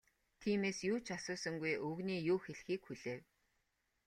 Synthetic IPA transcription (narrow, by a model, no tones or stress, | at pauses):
t̪ʰiːmeːsjuːt͡ɕʰasʊːsə̆ŋɡujʔɵɣniːjuːxeɮxiːkxuɮeːw